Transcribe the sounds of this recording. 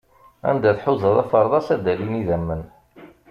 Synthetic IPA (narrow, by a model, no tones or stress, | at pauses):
æ̰nd̪æθħuzɑðˤæfəɾˤðˤɑsæd̪æliniðæmːən